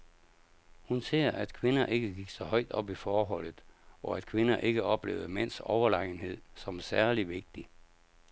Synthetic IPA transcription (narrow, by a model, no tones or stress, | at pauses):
hunse̝̰ːɐ̰ʔæd̥kʰʋe̝nɐʔe̝ɡ̥əɡ̥iɡ̥sɒ̽hɒɪ̰d̥ɒ̽b̥ifɒːɦɒ̽l̰ð̩ˠɒ̽æd̥kʰʋe̝nɐʔe̝ɡ̥əʔɒ̽b̥le̝̰ːʊð̩ˠmen̰sɒʊɐlɑ̈ɪn̩he̝ð̞̰ˠsɒ̽msæɐliʋe̝ɡ̥̚d̥i